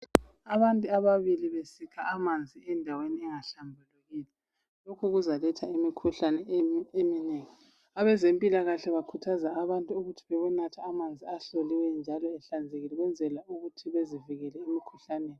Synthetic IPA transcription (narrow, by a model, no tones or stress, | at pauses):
aβantʼuaβaβiliβesikʰaamand͡zʱiɛndʱaweniɛŋaɬambʱuluɣiːlɛ | lokʰuɣuzalɛtʰaimikʰuɬanɛemineːŋi | aβɛzempʼilaɣaɬɛβakʰutʰazaːβantʼuuɣutʰi̥βɛβunatʰaːmand͡zʱiaɬoliwɛnd͡ʒʱalɔɛɬand͡zʱeɣilɛɣwɛnd͡zʱɛlauɣutʰiβeziviɣɛlɛemikʰu̥ɬaneːni